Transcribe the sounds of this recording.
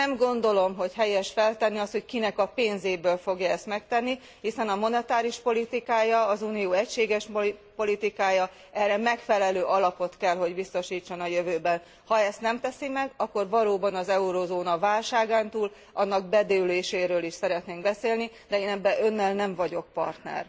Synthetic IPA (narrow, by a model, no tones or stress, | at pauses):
nɛmɡo̞nd̪o̞lo̞mɦo̞cɦɛjɛʃfɛlt̪ɛnːiɒst̪ho̞ckinɛkɒpeːnzeːbøːlfo̞ɡjɒɛst̪mɛkt̪ɛnːi | hisɛnɒmo̞nɛt̪aːɾiʃpo̞lit̪ikaːjɒːzuːnijoːɛcʃeːɡɛʃpo̞lit̪ikaːjɒ | ɛrɛmɛkfɛlɛløːʔɒlɒpo̞t̪kɛlɦo̞ɟbist̪o̞ʃiːt͡ʃːonɒjøvøːbɛn | hɒɛst̪nɛmt̪ɛsimɛɡɒkːo̞rvɒloːbɒnɒzɛuɾozoːnɒvaːlʃaːɡaːnt̪uːl | ɒnːɒɡ̚bɛd̪øːleːʃeːɾøːliʃsɛɾɛt̪neːŋɡbɛseːlni | d̪ɛeːnɛbːɛʔø̞nːɛlnɛɱvɒɟo̞k̚pɒ̰rt̪nɛ̰r